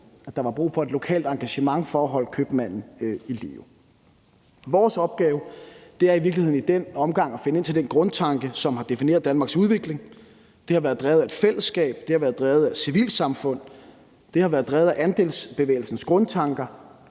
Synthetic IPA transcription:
æd̥ɑ̈ʋɑ̈b̥ʁṵːfɒ̽e̝d̥lo̝kʰɛ̰ːld̥ɑ̈ŋɡ̥æɕəmɑ̈ŋfɒːɦɒ̽l̰̚kʰøb̥mæn̰n̩ilḭo | ʋɒːsɒ̽b̥̚ɡ̥ɛːʊd̥e̝æɐiʋiɐɡ̥lihe̝ðˠn̩id̥en̰ɒ̽mɡ̥ɑ̈ŋ̰æfe̝nəe̝n̰t͡sʰeld̥enɡ̥ʁɔ̽nt͡sʰɑ̈ŋɡ̥əsɒ̽mɦɑ̈d̥e̝fine̝̰ɐð̩ˠd̥ænmɑ̈ɡ̥suð̞ˠʋe̝ɡ̥le̝ŋ | d̥e̝hɑ̈ʋæːɐðˠd̥ʁɛːðˠæe̝d̥fel̰əsːɡ̥ɛ̰ːb̥d̥e̝hɑʋæːɐðˠd̥ʁɛːð̩ˠæsiʋḭːlsɑ̈mfɔ̽n̰ | d̥e̝hɑ̈ʋæːɐðˠd̥ʁɛːð̩ˠæʔænd̥e̝̰ːlsb̥e̝ʋḛːl̩sn̩sɡ̥ʁɔ̽nt͡sʰɑ̈ŋɡ̥ɐ

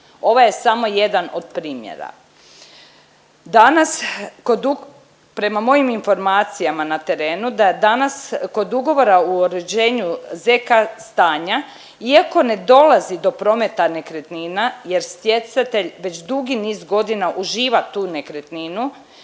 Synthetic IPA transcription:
o̞ʋaje̞samo̞je̞d̪ano̞d̪̚pɾiːmjḛɾa̰ | d̪anaskod̪u | pɾe̞mamo̞jiminfo̞ɾmaːt̪sijamanat̪e̞ɾe̞ːnud̪ad̪anasko̞d̪uɡo̞ʋo̞ɾauoɾed͡ʑe̞ːɲuzekast̪aːɲa | iako̞ne̞d̪o̞lazid̪o̞pɾo̞me̞t̪ane̞kɾe̞t̪ninaje̞ɾst̪je̞sat̪eʎʋe̞t͡ɕd̪uɡiniːzɡo̞d̪inaʔuʒiːʋat̪uːnekɾet̪ninu

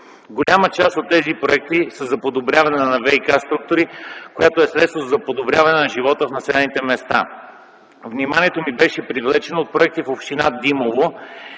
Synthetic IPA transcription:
ɡolʲamət͡ʃast̪ot̪ːɛzipɾoɛk̚t̪isəzɐpod̪obɾʲavɐnɛnɐvɛjkast̪ɾuk̚t̪oɾikojat̪oɛsɾɛt̪st̪vozɐpod̪obɾʲavɐnɛnɐʒivɔt̪əfnɐsɛlɛnit̪ɛmɛst̪a̰ | vnimaniɛt̪omibɛʃɛpɾivlɛt͡ʃɛnoot̪̚pɾoɛk̚t̪ifopʃt̪inad̪imovo

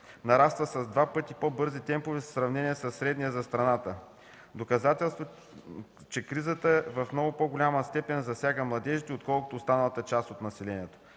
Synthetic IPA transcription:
nɐɾast̪vəsɐzd̪vapɤt̪ipobɤɾzit̪ɛmpʊvɛssɾɐvnɛniɛsɐsːɾɛd̪niɛzɐst̪ɾɐnat̪ə | d̪okɐzat̪ɛlˠst̪vo | t͡ʃɛkɾizət̪əɛvɐfmnɔɡʊpoɡʊlʲaməst̪ɛpɛnzɐsʲjaɡəmlˠɐd̪ɛʒit̪ɛot̪kɔlˠkʊ̥t̪oːst̪anɐlˠət̪ət͡ʃast̪ot̪nɐsɛlɛniɛt̪o̥

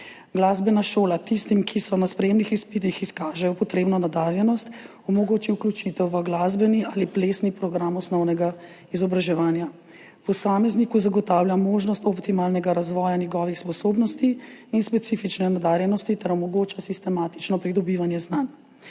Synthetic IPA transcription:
ɡlaːzbɛnaʃoːlat̪ist̪imkʰisɔnaspɾɛjeːmnixispit̪̬ixiskaːʒɛjɔpɔt̪ɾeːbnɔnad̪aːɾjɛnɔst̪ | ɔmɔɡoːt͡ʃiwklʲjut͡ʃit̪ɛwʋəɡlaːzbɛniʔaːlipleːsnipɾɔɡɾamɔsnɔwnɛɡa | izɔbɾaʒɛʋaːnja | pɔsaːmɛznikuzaɡɔt̪awljamoːʒnɔst̪ɔpt̪imaːlnɛɡaɾazʋɔːjanjɛɡɔʋixspɔsoːbnɔst̪iinspɛt̪sifit͡ʃnɛnad̪aːɾjɛnɔst̪it̪ɛɾɔmɔɡoːt͡ʃasist̪ɛmaːt̪i̥t͡ʃnɔpɾid̪ɔbiːʋanjɛznan

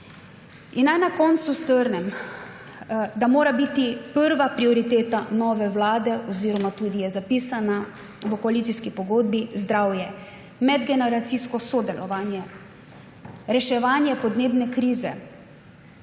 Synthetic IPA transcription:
inːajnakɔːnt̪sust̪əɾnɛm | d̪amoːɾabit̪ipəɾʋapɾiɔɾit̪eːt̪anɔːʋɛwlaːd̪ɛʔɔziːɾɔmat̪uːd̪ijɛzapiːsana | ʋəkɔalit̪siskipɔɡoːd̪bizd̪ɾawjɛ | mɛd̪ɡɛnɛɾat̪siskɔsɔd̪ɛlʔɔ̰ʋaːnjɛ | ɾɛʃɛʋaːnjɛpɔd̪neːbnɛkɾiːzɛ̰

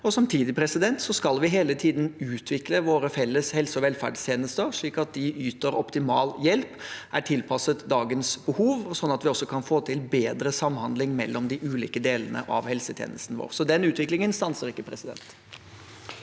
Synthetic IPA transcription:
ɔsɑmt̪ʰiːd̪ɪpʰɾɛsɪd̪ɛnt̪sɔskɑlʋɪɦeːlət̪ʰiːd̪n̩ʉːt̪ʰʋɪkləʋoːɾəfɛlːəshɛlsəɔʋɛlfæ̰ɖst̪ʰjeːnəst̪əɾʂɭiːkɑt̪̚d̪ɪʔyːt̪əɾɔpt̪ɪmɑ̰ːljɛlpæʈʰɪlpʰɑsət̪d̪ɑːɡənsbəhuːʋɔsɔnːɑt̪ʋɪɔsːɔkʰɑnfoːt̪ʰɪlbeːd̪ɾəsɑmhɑnd̪lɪŋmɛ̰lːɔmd̪ɪʔʉːlḭːkəd̪eːlənə̰ʔɑ̰ʋhɛlsət̪ʰjḛːnəst̪nəʋo̰ːʁsɔd̪ɛnʉːt̪ʋɪklɪŋənst̪ɑnsəɾɪkːəpʰɾɛsɪd̪ɛ̰nt̪

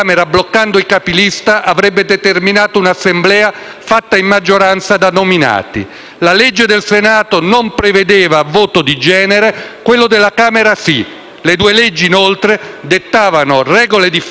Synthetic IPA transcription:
meɾablokːand̪oikapilist̪aʔavɾɛbːed̪et̪erminaːt̪ounasːemblɛːa | fat̪ːaimːad͡ʒːoɾant̪sad̪anomina̰ːt̪ḭ | laled͡ʒːed̪elsenaːt̪onompɾeved̪eːvavoːt̪od̪id͡ʒɛːneɾekwelːod̪elːakaːmeɾasi | led̪uːelɛd͡ʒːiːnolt̪ɾed̪et̪ːaːvanorɛːɡoled̪if

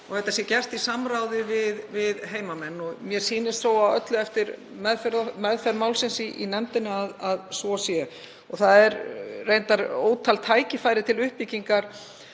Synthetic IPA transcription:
ɔɣθɛht̪ːasjɛcɛr̥t̪isamɾawðɪvɪðvɪðɦeːjmamɛnːɔɣmjɛɾ̥siːnɪsθɾoːwawœt̪lʏɛft̪ɪɾ | mɛðfɛɾðmɛðfɛɾmaːwlsɪnsiʔinɛmt̪ɪnɪaðaðsvɔsjɛ | ɔɣθaðɛɾrejnt̪aɾoːwt̪ʰalt̪ʰaːjcɪfaːjɾɪt̪ʰɪlʏhpiciŋkaɾ̥

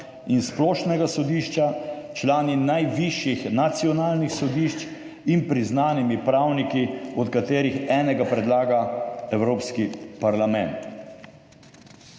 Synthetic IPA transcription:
insplɔːʃnɛɡasɔd̪iːʃt͡ʃat͡ʃlaːninajʋiʃjixnat̪siɔnaːlnixsɔd̪iːʃt͡ʃ | inpɾiznaːnimipɾaːwnikiɔt̪kat̪eːɾixɛːnɛɡapɾɛd̪laːɡaɛwɾoːpskipaɾlamɛnt̪

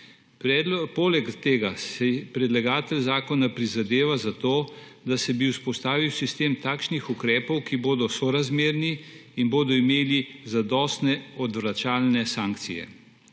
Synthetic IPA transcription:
polɛkt̪eːɡasɛpɾɛd̪laɡaːt̪ɛlzaːkɔnapɾizad̪eːʋazat̪oː | d̪asɛbiwspɔst̪aːʋiwsist̪eːmt̪aːkʃnixukɾɛːpɔwkiboːd̪ɔsɔɾazmeːɾniːnboːd̪ɔimeːlizad̪ɔːst̪nɛɔd̪ʋɾat͡ʃaːlnɛsaːŋkt̪sijɛ̰

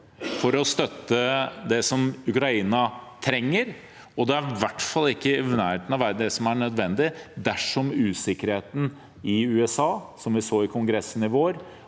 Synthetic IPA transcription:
fɔɾɔst̪œt̪ːəd̪ɛsɔmʉkɾɑiːnɑt̪ʰɾɛŋːəɾ | ɔd̪ɛæɾʋæʈːfɑlːɪkːənæːɾeːt̪nɑʋæːɾəd̪ɛsɔmæɳœd̪ʋɛnd̪ɪd̪æʂɔmʉːsɪkəɾheːt̪n̩ | ɪʉːɛsɑːsɔmʋɪsoːɪkʰʊŋɡɾɛsːən̩ɪʋoːɾ

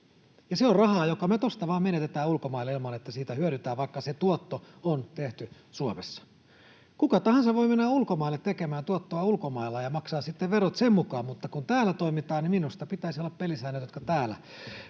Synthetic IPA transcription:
jɑseorrɑhɑːjokɑmet̪ost̪ɑʋɑːmenet̪et̪æːulkomɑilːeilmɑnet̪ːæsiːt̪æhyøɾyt̪æːʋɑikːɑset̪uot̪ːoont̪eht̪y | suomesːɑ̥ | kukɑt̪ɑhɑnsɑʋʋoimenːæulkomɑilːet̪t̪ekemæːnt̪uot̪ːoɑulkomɑilːɑjɑmɑksɑːssit̪ːeʋʋeɾot̪semmukɑːmmut̪ːɑkunt̪æːlːæt̪oimit̪ɑːnniminust̪ɑpit̪æisiolːɑppelisæinæt̪jot̪kɑt̪æːlæ̰

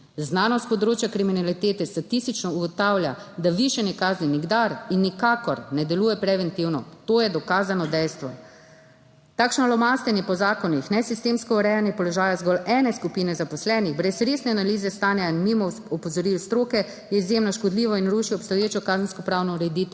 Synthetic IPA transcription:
znaːnɔst̪̚pɔd̪ɾoːt͡ʃjakɾiminalit̪eːt̪ɛst̪at̪ist̪it͡ʃnɔuɡɔt̪awljad̪aʋiʃɛnikaːzniniɡd̪aɾinːikakɔɾnɛd̪ɛluːjɛpɾɛʋɛnt̪iwnɔ̰t̪oːjɛd̪ɔkaːzanɔd̪ɛjst̪ʋɔ | t̪aːkʃnalɔmaːst̪ɛnjɛpɔzaːkɔnixnɛsist̪eːmskɔuɾɛjanjɛpɔlɔʒaːjazɡɔlɛːnɛskupinɛzapɔslɛniɣbɾɛsɾesnɛanaliːzɛst̪aːnjainmimɔɔpɔzɔɾiwst̪ɾoːkɛ | jɛizjemnɔʃkɔd̪liːʋɔinɾuːʃiɔpst̪ɔjeːt͡ʃɔkazənskɔpɾaːwnɔuɾɛd̪iːt̪ɛ

